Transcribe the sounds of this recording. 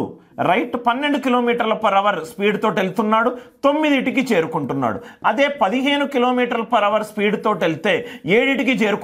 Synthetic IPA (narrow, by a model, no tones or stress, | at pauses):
ɾɐjʈpɐnːe̞ɳɖukilo̞ːmiːʈɐɾlɐpɐɾɐʋɐɾspiːɖt̪o̞ːʈelit̪unːaːɽut̪o̞mːid̪iʈikit͡ʃe̞ːɾukuɳʈunːa̰ːɽṵɐd̪e̞ːpɐd̪iɦe̞ːnukilo̞ːmiːʈɐɾlɐpɐɾɐʋɐɾspiːɽt̪o̞ːʈelit̪e̞ːeːɽiʈik̬it͡ʃe̞ːɾuk